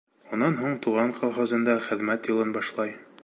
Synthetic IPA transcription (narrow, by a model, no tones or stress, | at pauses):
unɑnɦuɴt̪uʁɑɴqʰɑlˠχozɤ̆nd̪ɑχɘ̆ðmæt̪jɤ̆lˠɤnbɑʃlˠɑj